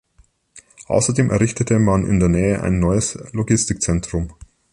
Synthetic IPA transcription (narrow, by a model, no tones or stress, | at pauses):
ʔa̰ʊsɐdeːmʔɛ̰ɐʁɪçtətʰəmanʔɪ̰ndeːɐnɛːəʔa̰ɪnːɔʏəsloɡɪstɪk̚t͡sɛntʁ̥ʊm